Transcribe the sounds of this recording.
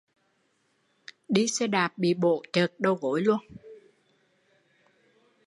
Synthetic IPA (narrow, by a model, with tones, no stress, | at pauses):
ɗi˧sɛ˧ɗaː˨˩p̚ɓḭ˧˨ɓo̰˧˨t͡ɕə˨˩k̚ɗə˧˩wɣo˧˨˦jlu˧ən